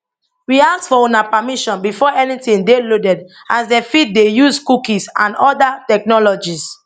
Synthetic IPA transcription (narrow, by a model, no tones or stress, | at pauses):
wias̚tfɔõnapamiʃɔ̃nbifɔɛnitĩndelodɛd | asdɛfit̚dejuskukisã̰nɔdatɛk̚nɔlɔd͡ʒis